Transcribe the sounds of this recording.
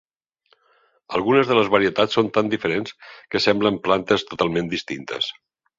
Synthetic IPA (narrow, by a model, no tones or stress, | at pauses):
əlˠɣunəzðələzβəɾiət̪at͡ssːont̪and̪ifəɾenskəsɛmbləmplant̪əst̪ut̪alˠmẽnd̪ist̪int̪ə̰s